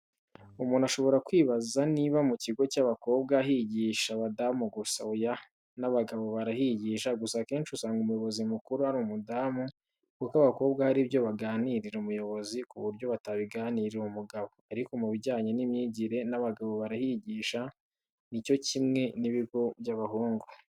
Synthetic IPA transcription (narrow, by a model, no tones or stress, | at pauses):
umuːnaʃo̞βo̞ɾakwiːβazaniβamuciɡo̞caβako̞ːbɡaɦiɟiʃaβadamuɡusa̰uja | naβaɡaβo̞βaɾahiɟiːʃaɡusakeːnʃusaːŋɡumujo̞βo̞zimukuɾuhaɾuːmudamu | kukaβako̞ːbɡahaɾibjo̞βaɡaːniɾiɾeumujo̞βo̞zikuβuɾɟo̞βataβiɡaːniɾeumuɡaβo̞aɾiko̞muβiɟaːɲenimɲiːɟiɾe̞naβaɡaβo̞βaɾahiɟiːʃa | nico̞cimŋe̞niβiɡo̞bjaβahuːŋɡu